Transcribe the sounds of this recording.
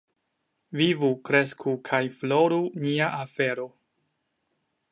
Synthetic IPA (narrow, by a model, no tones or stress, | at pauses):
vivukɾe̞skʰukʰajflo̞ɾuniaʔafe̞ɾo̞